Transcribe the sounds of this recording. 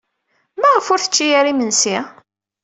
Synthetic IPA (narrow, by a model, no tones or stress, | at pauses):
mæʁəfʊɾθə̥t͡ʃːijæɾimənsi